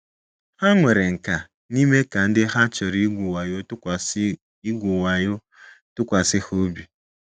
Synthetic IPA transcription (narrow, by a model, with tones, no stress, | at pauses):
ha˦ŋʷe˨ɾe˨ŋ̩˨ka˨ | ni˦me˦ka˨n̩˦dɪ˦ɦa˦t͡ʃɔ˨ɾi˦ɡʷu˨wa˨jo˦tʊ˦kʷ | i˦ɡʷu˨wa˨jʊ˦ | tʊ˦kʷa˨sɪ˦ho˦bi˨